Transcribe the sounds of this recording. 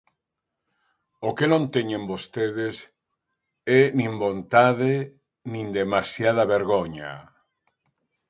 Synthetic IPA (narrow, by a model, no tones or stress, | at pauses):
okenõnt̪eɲẽmbost̪eðes | ɛnĩmbont̪aðe | nĩnd̪emasjað̞aβeɾɣoɲa̰